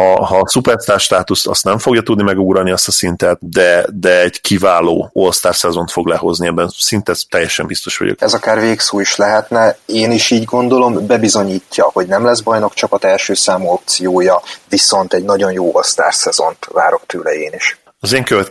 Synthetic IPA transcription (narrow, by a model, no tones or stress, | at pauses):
hɒɦɒsupɛrst̪aːrʃt̪aːt̪ust̪ɒ̰st̪nɛɱfo̞ɡjɒt̪ud̪nimɛɡuɡɾɒlniɛst̪ɒsint̪ɛt̪d̪ɛd̪ɛɛɟkʰivaːloːolst̪aːrsɛzo̞nt̪fo̞ɡlɛɦo̞zniɛbːɛnsint̪ɛt̪ːɛjːɛʃɛmbist̪o̞ʃʋɒ̰ɟo̰kɛzɒkaːrveːksoːiʃlɛɦɛt̪nɛeːniʃiːɟɡo̞nd̪o̞lo̞mbɛbizo̞ɲiːcːɒho̞ɟnɛmlɛzbɒjno̞kt͡ʃɒkɒt̪ɛlʃøːsaːmuo̞p̚t̪sijoːjɒviso̞nt̪ɛɟnɒɟo̞njoːʔolst̪a̰ːrsɛzo̞̰nt̪va̰ːɾo̞kt̪øːlɛeːniʃ | ɒzeːŋkøvɛt̪